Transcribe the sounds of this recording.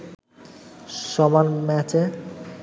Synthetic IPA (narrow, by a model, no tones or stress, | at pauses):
ʃɔmanmɛt͡ɕe